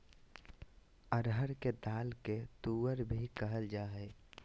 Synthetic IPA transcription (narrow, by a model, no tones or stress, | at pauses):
əɾɦəɾked̪aːlket̪uːwəɾbʱikəɦəld͡ʒaːɦɛː